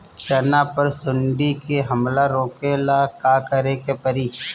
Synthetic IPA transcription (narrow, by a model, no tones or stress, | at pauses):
t͡ʃənapəɾsʊɳɖikeɦəmlaɾoːkelakakəɾekepəɾiː